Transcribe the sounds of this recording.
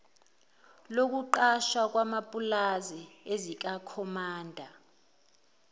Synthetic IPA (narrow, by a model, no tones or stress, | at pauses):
lok̬uǃaʃwak̬wamapʼulaziezik̬akʰɔmaːndʱa